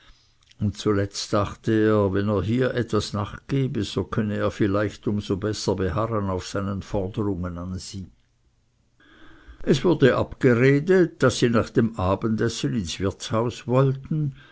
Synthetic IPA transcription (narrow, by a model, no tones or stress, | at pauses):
ʊntt͡sulɛt͡staχtəeːɐvɛneːɐɦiːɐʔɛtvasnaːχɡ̥eːbəz̥okʰœnəeːɐfɪlaɪçtʊmzobɛsɐbeɦaʁənaʊfsaɪnənfɔʁdəʁʊŋənanz̥iː | ʔɛsv̥ʊɐdəʔapɡ̥əʁeːdət̚d̥asːiːnaːχd̥eːmʔaːbəndɛsənɪnsv̥ɪɐt͡shaʊsvɔltn̩